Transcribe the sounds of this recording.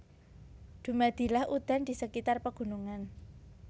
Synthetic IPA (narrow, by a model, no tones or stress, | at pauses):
d̪̥ṳmad̪̥i̤lahʔud̪̥a̤nd̪̥i̤səkit̪arpəɡ̥ṳnuŋan